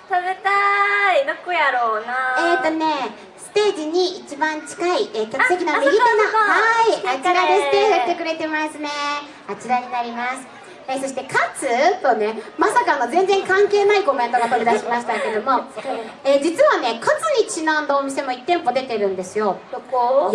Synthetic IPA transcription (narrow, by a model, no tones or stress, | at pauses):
t̪abet̪ainokɯjaɾoːnaet̪ːo̞ne̞ | sɨ̥t̪e̞ːd͡ʑiɲ̟iit͡ɕibãɲt͡ɕi̥kaiekʲoksekʲinaneɡʲit̪anahaiat͡ɕiɾaest̪ehɯːe̞kɯ̟ɾe̞t̪e̞masɨne̞ | at͡ɕiɾaɲ̟inaɾʲimasɨ̥ | eso̞ɕi̥t̪e̞kʰat͡sɨt̪o̞ne̞masakaːnozẽ̞nd͡zẽ̞ŋkãŋke̞ːnaiko̞ment̪o̞ɡat̪o̞ɾʲid̪aɕimaɕi̥t̪ake̞d̪o̞mo̞eːd͡ʑit͡sɨβane̞kʰat͡sɨɲ̟it͡ɕinãnd̪oːmʲise̞mo̞it̪ːẽ̞mpo̞d̪e̞t̪e̞ɾɯ̟̃nd̪e̞sɨjo̞